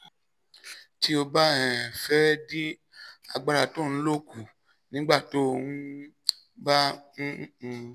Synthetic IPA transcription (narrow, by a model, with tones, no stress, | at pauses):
ti˦o˧ba˦ɛ̃˨fɛ˦di˦ | a˧ɡ͡ba˧ɾa˧tõ˦˨˧lo˦ku˨ | nĩ˨˦ɡ͡ba˦˨to˨˦o˧ũ˦ | bã˦˧